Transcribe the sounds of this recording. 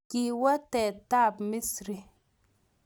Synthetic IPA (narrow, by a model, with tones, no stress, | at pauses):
ki˨wa˦tɛ˨ta˦˨pmi˦sɾi˨